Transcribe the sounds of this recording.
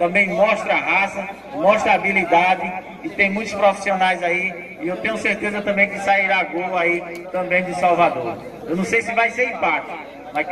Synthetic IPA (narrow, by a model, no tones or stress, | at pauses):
t̪ɐ̃mbẽj̃mɔʃt̪ɾɐaɦasɐ | mɔʃt̪ɾɐabilid̪ad̪ɪ | kɪt̪ẽj̃mũj̃t̪ʊ̥spɾofi̥sionajzai | ɪewt̪ẽɲʊseɾt̪ezɐt̪ɐ̃mbẽj̃kɪsaiɾaɡolʊait̪ɐ̃mbẽj̃d̪ʊsawvad̪oɾ | ewnɐ̃w̃sejsɪvajseɾĩpat̪ʊ | mɐ